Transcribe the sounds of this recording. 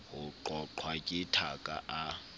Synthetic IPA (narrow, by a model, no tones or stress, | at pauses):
ɦuǃɔǃʰwakʼitʰakʼa̰ʔa